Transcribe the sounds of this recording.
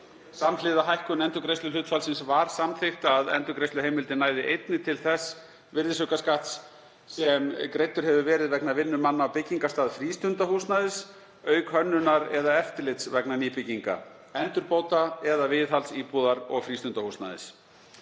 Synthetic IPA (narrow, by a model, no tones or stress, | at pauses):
samlɪðaɦajhkʏnɛnt̪ʏkɾejst̪lʏlʏːt̪falsɪnsvaɾ̥samθɪxt̪aðɛ̰nt̪ʏkɾejst̪lʏɦejmɪlt̪ɪnaːjðɪʔejt̪nɪt̪ʰɪlθɛsː | vɪɾðɪsʏkaskaht̪s | sɛmkɾejt̪ːʏɾ̥hɦɛvʏvɛːɾɪðvɛknavɪnːʏmanːaawpɪcːiŋkast̪aːðfɾiːst̪ʏnt̪ahusnaðɪs | œːɥkhœnːʏnaɾɛðaɛft̪ɪɾlɪt̪svɛknaniːpɪciŋka̰ | ɛnt̪ʏɾpoːwt̪aɛðavɪðɦalsiːpuːðaɾɔɣfɾiːst̪ʏnt̪ahusna̰ðɪ̰s